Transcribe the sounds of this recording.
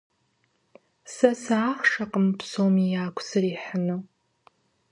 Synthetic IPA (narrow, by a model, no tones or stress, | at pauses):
sasaːχʂaqʼəmpʰsomijaːkʷʰsɨriħnɨ